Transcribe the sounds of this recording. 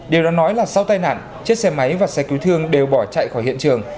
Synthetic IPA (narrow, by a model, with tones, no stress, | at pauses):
ɗi˨˩əwɗɔː˨˦nɔ˨˦jlaː˨˩sa˧wt̪aː˧jna̰ː˧˨n | t͡ɕi˦˥t̚sɛ˧ma˨˦jvaː˨˩sɛ˧˩ki˨˦wt̪ʰɨ˧əŋɗe˨˩wɓɔ˧˩t͡ɕa̰˧˨jxɔ˧˩jhḭ˧˨ənt͡ɕɨ˨˩əŋ